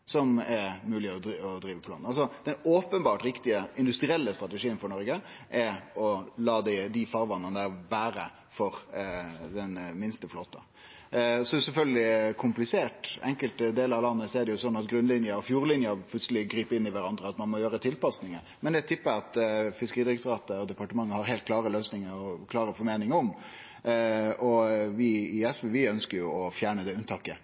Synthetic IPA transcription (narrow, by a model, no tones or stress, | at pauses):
sɔmɛɾmʉːlɪɔd̪ɔd̪ɾiːʋəpʰɔlɑ̰nɑlsɔd̪̥ɛnoːpənbɑːʈɾɪkt̪ɪəɪnd̪ʉst̪ɾɪɛlːəst̪ɾʁɑt̪əʂiːənfɔɳɔɾɡə | ʔɛɔlɑːd̪ɪd̪ɪfɑːɾʋɑnːənd̪æbæːɾə̰ | fɔɾ | d̪ɛnmɪnst̪əfloːt̪ə̰ | sɔd̪ɛʊsɛlfœlɡəlɪkʰʊmplɪseːʈɛ̰ŋkəlt̪d̪eːlɑʋlɑnːəsɔɛɖɛjʊsɔnːɑt̪ɡɾʉnlɪnjəɾɔfjuːɾlɪnjəpʰlʉt̪səlɪɡɾiːpəɪnːɪʋæɾɑnd̪ɾəɑt̪mɑnmɔjøːɾət̪ʰɪlpɑsnɪŋə | mɛnd̪ɛt̪ʰʏpːəɑt̪fɪskəɾiːd̪ɪɾɛk̚t̪ʊɾɑːt̪əɾɔd̪ɛpɑʈəmɑŋːəhɑɾɦelt̪̚kʰlɑːɾəløːsnɪŋəɾɔkʰlɑːɾəfɔɾmeːnɪŋəɔm | ɔʋɪɪɛsʋɛʋɪœnskəɾjʊɔfjæːɳəd̪ɛʉnt̪ɑːkə